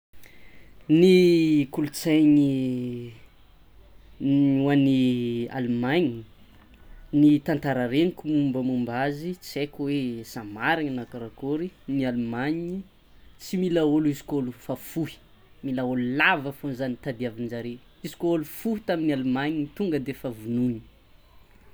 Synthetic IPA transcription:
nikulut͡sajɲi | uania̰lumajɲi | nit̪ant̪aɾəɾeɲikumumbəmumbazit͡sekwesamaɾiɲanakaɾakoɾinialumaɲi | t͡similaoluizi̥kolufafuhi̥ | milaolulavəfonzanit̪ad̪iavinzaɾe | izi̥kʲoolufuɦit̪aminalumajɲinit̪uŋɡəd̪efavununi

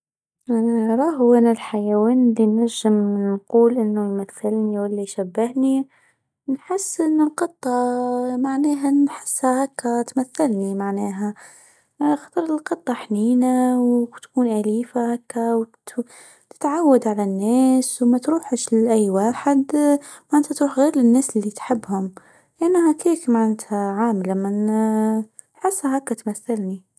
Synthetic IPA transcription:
ɾˤɑːɦeːnalħajawiːnɪlːinaʒːɪmnquːlʔɪnːʊmaθːɪlniwɪlːiʃabːɪhni | nħɪsːʔɪnːɪlqɨt̪ˤːɑmaʕnɛːɦanħɪ̥sːhahakːat̪maθːɪlnimaʕneːɦa | xɑt̪ˤɾˤɪlqɨt̪ˤːɑħniːnawt̪kuːnʔaliːfahakːaw | t̪ɪ̥t̪ʕawːad̪ʕalanːeːswmat̪ɾuːħʃlʔajːwaːħɪd̪maʕanːt̪at̪ɾuːħɣeːɾɪnːeːsɪlːit̪ħɪbːhʊm | lʔanːhakiːkmaʕat̪haʕaːmlamːan | ħɪsːhaɦakːat̪maθːalni

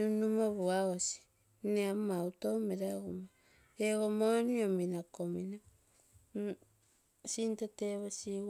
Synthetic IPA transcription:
unumoβuawosi̥ | neamautomeɾaɣomo | eɣomoniominakomina | sintateβosi

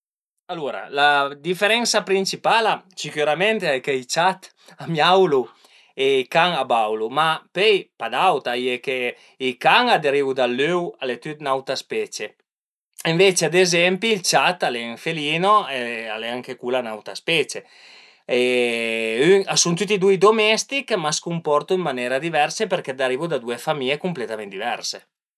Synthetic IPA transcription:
aluɾa̰lad̪ifeɾɛnsapɾint͡ʃipalasikyɾamɛnt̪eajkeit͡ʃat̪ | amjawlu | eikaŋabawlumapɛjpad̪awt̪ajeke | ikaŋad̪eɾiwd̪alːøwalet̪yt̪nawt̪aspɛt͡ʃe | iɱvet͡ʃead̪ezɛmpiːlt͡ʃat̪aleŋfeliːnoealeaŋkekulanawt̪aspɛt͡ʃe | e | yŋasunt̪̬ut̪ːid̪ujd̪omɛst̪ikmaskumpɔrt̪uimːanɛːɾad̪ivɛrsepeɾked̪aɾiːvud̪ad̪uefamiekumplet̪amend̪ivɛɾse

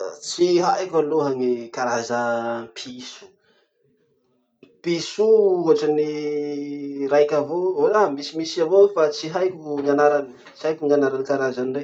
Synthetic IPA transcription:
t͡siɦajkʲaloɦaŋikaɾazəpʰisu̥ | pisuuɦaʈ͡ʂəni | ɾajkʲavooamisimisavoofat͡siɦajkʲuŋanaɾani | t͡siɦajkʲuŋanaɾanikaɾazanire

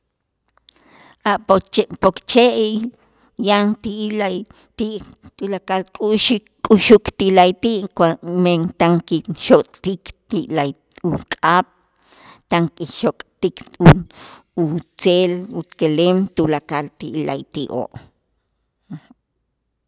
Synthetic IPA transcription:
aʔppokt͡ʃeʔ | jant̪ila | t̪iʔt̪ulakalkʼuʃikʼuʃukt̪ilajt̪iʔkwament̪aŋkiʃokʼt̪ikt̪iʔlaj | ukʼaɓ̥ | t̪aŋkiʃokʼt̪iku | ut͡selut̪kelemt̪ulakalt̪iʔla̰jt̪iʔʔo̰ʔ

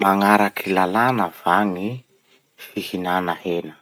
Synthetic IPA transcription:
maŋaɾakʰilalanəv̥aŋi | fihinanəhenə

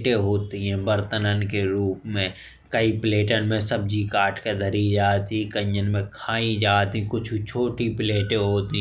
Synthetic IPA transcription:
ʈẽɦoːt̪iɦɛ̃bəɾt̪ənənkeɾuːpmẽ | kəipleːʈənmẽsɐb̚d͡ʒikaːʈked̪ʱəɾid͡ʒaːt̪ikə̃ɲd͡ʒənmẽkʰaːĩd͡ʒaːt̪ĩkʊt͡ʃʰt͡ʃʰoːʈipleːʈẽɦoːt̪i

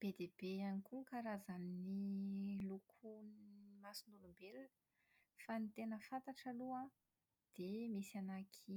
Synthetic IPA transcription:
b̥ed̪eb̥eanikukaɾazanilukʰunmasinulumbelun | fanit̪enəfant̪aʈ͡ʂalua | d̪̥emesanakʰi

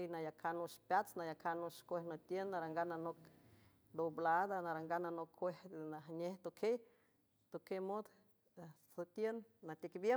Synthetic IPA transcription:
enajakʰanuʃpjat͡snajakʰanoʃkʷehnot̪jennaɾaŋɡananok | d̪oblad̪anaɾaŋɡananokʰːʷeht̪naɦɲeht̪okʰej | t̪okemod̪ | sot̪jenːat̪ikbje

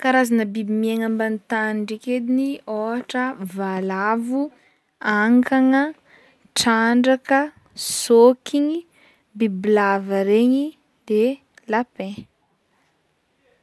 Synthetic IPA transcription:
kaɾazanəbibimieŋambant̪aniɳɖ͡ʐeked̪inioɦaʈ͡ʂəvalavu | aŋkaŋə | ʈ͡ʂaɳɖ͡ʐakə | sokiɲi | bibilavəɾeɲi | d̪e | lapẽ

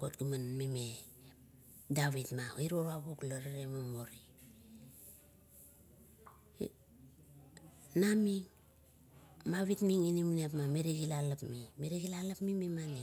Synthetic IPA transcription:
ɡotɡumanmime | daβitmaiɾoɾaɡuklaɾaɾemamoɾi | namiŋ | maβitmiŋinimuniap̬mameɾiɡilalapmimeɾiɡilalapmimemani

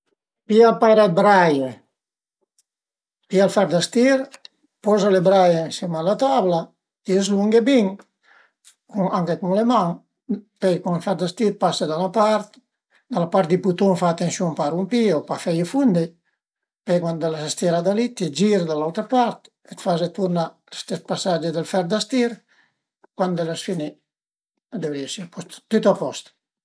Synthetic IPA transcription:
pialpaɾat̪̚bɾaje | pialfaɾd̪ast̪iɾ | pɔzalebɾajensimalat̪abla | iezluŋɡebiŋ | kuŋaŋkekuŋlemaŋ | pɛjkuŋlfaɾd̪ast̪iɾpasad̪anapaɾt̪ | d̪alapaɾt̪̚d̪iput̪uŋfaːt̪ensjuŋpaɾumpiopafɛjefund̪e | pɛjkwand̪elasast̪iɾad̪alit̪ed͡ʒiɾd̪alawt̪ɾapaɾt̪ | et̪fazet̪uɾnalest̪ɛst̪̚pasad͡ʒed̪elfɛɾd̪ast̪iɾ | kwand̪elasfini | d̪evɾiesiapɔst̪t̪ut̪apɔst̪

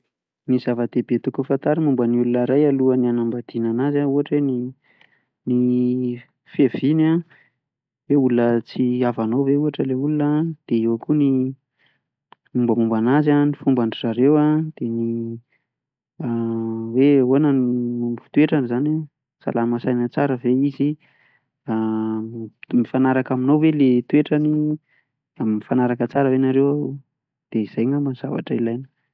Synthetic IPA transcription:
nizavəd̪ebet̪ukufant̪aɾimumbəniulunəɾajaluanianambad̪̥inanazauaʈ͡ʂweni | ni | fevina | weulunət͡siavanowveuaʈ͡ʂəleulunəd̪̥eewakuni | mumbəmumbanazanifumbaɳɖ͡ʐiraɾewad̪̥eni | weonanimumifi̥t̪ueʈ͡ʂanizana | sa̰lamasajnət͡saɾəveizi | a | mifanaɾakaminowwelet̪ueʈ͡ʂani | aminifanaɾakət͡saɾəwenaɾewa | d̪̥eiz̥ajŋamaz̥ava̰ʈ͡ʂəilajnə̥

